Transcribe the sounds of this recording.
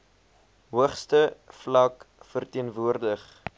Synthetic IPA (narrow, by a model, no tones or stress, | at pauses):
ɦuəχstəflɐkfərtiənvuərdəχ